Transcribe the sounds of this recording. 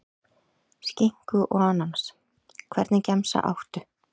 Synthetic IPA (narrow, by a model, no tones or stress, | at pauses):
sciŋ̥kʏʔɔanans | kʰvɛ̰ɾt̪nɪcɛmsa̰ʔa̰wht̪ʏ